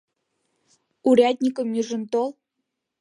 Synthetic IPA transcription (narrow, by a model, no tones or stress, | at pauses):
uɾʲad̪ʲnʲikəmjyʒəmt̪olˠ